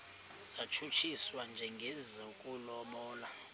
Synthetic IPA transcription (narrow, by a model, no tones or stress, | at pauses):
z̥at͡ʃʰut͡ʃʰiswand͡ʒʱɛŋɡʱɛzɔkʼulɔmɔːla